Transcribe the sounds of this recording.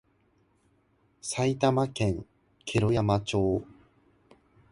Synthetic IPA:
sait̪amakẽ̞ŋ | kʰe̞ɾo̞jamat͡ɕo̞ː

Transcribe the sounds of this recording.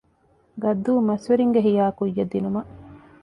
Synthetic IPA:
ɡɐd̪ːuːmɐsʋeɾiŋɡeɦijaːkujːɐd̪ːinumɐ

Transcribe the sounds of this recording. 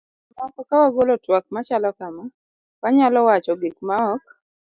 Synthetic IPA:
makɔkawaɡolɔtwak̚mat͡ʃalɔkama | kaɲalɔwat͡ʃɔɡikmaɔk

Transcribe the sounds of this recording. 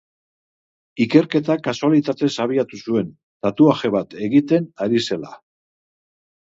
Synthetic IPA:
ike̞ɾke̞t̪akasualit̪at̪e̞saβ̞iat̪usue̞n | d̪̥at̪uaʝe̞β̞at̪e̞ɣit̪e̞naɾise̞la̰

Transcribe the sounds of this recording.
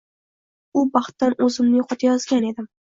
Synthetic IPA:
ʊbɑχt̪ːanɵzɪmnɪjoqɒt̪ʰajɒzɡʲane̞d̪ɪm

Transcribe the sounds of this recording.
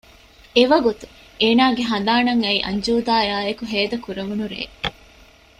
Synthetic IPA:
eʋɐɡut̪u̥ | eːnaːɡeɦɐnd̪aːnɐŋɐiʔɐ̰ɲd͡ʒuːd̪aːjaːekuɦeːd̪ɐkuɾeʋunuɾḛː

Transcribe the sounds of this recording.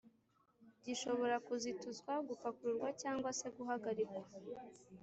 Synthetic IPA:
ɟiʃo̞βo̞ɾakuzituzɡwaɡufakuuɾɡwacaːŋɡwase̞ɡuɦaɡaɾikwa

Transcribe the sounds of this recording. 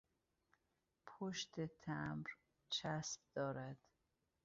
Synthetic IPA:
pʰoʃt̪ʰet̪ʰæmɾ | t͡ʃʰæsb̚d̪̥ɒːɾæd̪̥

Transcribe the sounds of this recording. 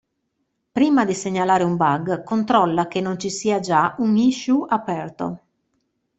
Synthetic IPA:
pɾiːmad̪iseɲːalaːɾeumbaɡkont̪ɾɔlːakenːont͡ʃisiːad͡ʒauŋiʃuʔapɛrt̪o̰

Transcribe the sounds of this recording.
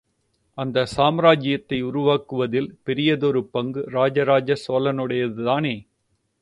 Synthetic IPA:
ʔɐnd̪ɐsaːmɾaːd͡ʒɪjɐt̪ːɐɪʊɾʊʋaːkɯʋɐðɪlpɛɾɪjɐðɔɾɯpɐŋɡɯɾaːd͡ʒɐɾaːd͡ʒɐsoːlɐnɯɽɐjɐðɯðaːneː

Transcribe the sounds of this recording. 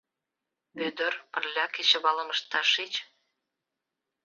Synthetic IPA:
ød̪ə̆rpə̆rlʲɑket͡ɕə̆βɑlə̆məʃt̪ɑʃit͡ɕ

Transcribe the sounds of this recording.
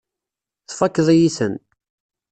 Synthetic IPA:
θfækːəðˤjisən

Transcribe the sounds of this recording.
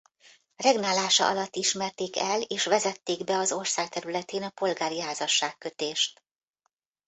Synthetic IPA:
rɛɡnaːlaːʃɒ̰ʔɒ̰lɒt̪ːiʃmɛrt̪eːkɛleːʃʋɛzɛt̪ːeːɡbɛɒzo̞rsaːk̚t̪ɛɾylɛt̪eːnɒpo̞lɡaːɾiɦaːzɒʃːaːkːø̞t̪eːʃt̪̚

